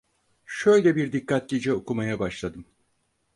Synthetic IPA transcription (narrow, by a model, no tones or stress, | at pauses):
ʃø̞jlʲɛbiɾd̪ikʰːat̪̚ɟid͡ʒɛokumajabaʃlˠad̪ɯm